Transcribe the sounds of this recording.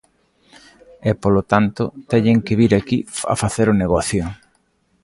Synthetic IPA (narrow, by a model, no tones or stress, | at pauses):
ɛpolot̪ant̪ʊt̪ɛɲeŋkɪβiɾakia̰faθeɾoneɣ̞ɔθjo